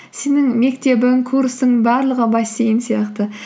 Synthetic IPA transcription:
se̞nɪŋme̞kt̪e̞bɪŋkʰuɾst̪əŋbɑɾlˠəʁəbɑjsejɪnsijɑqt̪ə

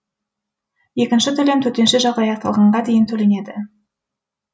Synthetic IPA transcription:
je̞kʲɪnʃɪt̪ʰɵle̞mt̪ʰɵɾt̪e̞nʃɪʒɑlˠd̪ɑjɑqt̪ɑ̰lˠʁɑɴʁɑd̪e̞jɪnt̪ʰɵle̞ne̞d̪ɪ

